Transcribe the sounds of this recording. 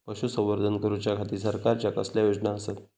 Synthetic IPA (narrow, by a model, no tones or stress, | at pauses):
pəɕusə̃ʋəɾd̪ʱənkəɾut͡ɕjakʰat̪iːsəɾkaɾt͡ɕjakə̰sljajod͡ʑnaəset̪